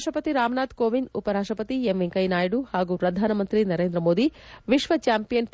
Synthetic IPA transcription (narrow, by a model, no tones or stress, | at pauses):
ʂʈɾɐpɐt̪iɾaːmnaːd̪koːʋinupɐɾaːʂʈɾɐpɐt̪iemʋeŋkɐjnaːjɽuhaːɡupɾɐd̪ʱaːnɐmɐnt̪ɾinɐɾeːnd̪ɾɐmoːd̪iʋiʃʋɐt͡ʃaːmpijɐnp